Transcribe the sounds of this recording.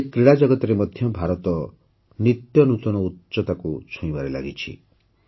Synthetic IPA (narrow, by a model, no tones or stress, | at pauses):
ekɾiɽad͡ʒɔɡɔt̪ɔɾemɔd̪ʱjɔbʱaɾɔt̪ɔ | nit̪jɔnut̪ɔnɔutt͡ʃɔt̪akut͡ʃʰũĩbaɾela̰ɡit͡ʃʰḭ